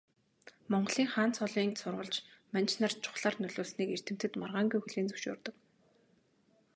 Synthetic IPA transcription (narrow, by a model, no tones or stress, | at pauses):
mɔɴɢə̆ɮiːŋχaːnt͡sʰɔɮiːnsʊrʁə̆ɮt͡ɕmant͡ɕnart͡ɕʰʊ̥χɮaːrnɵɮoːsniːker̥t̪ɘ̆m̥t̪ɘ̆t̪marʁaːŋɡujxɵɮeːnt͡sɵ̥wʃʊ̰ːrt̪ɞ̆k